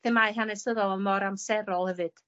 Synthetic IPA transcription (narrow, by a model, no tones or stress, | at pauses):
θɪmaɨɦanɛsəðɔlˠɔmɔɾamsɛɾɔlˠhəvɨd̥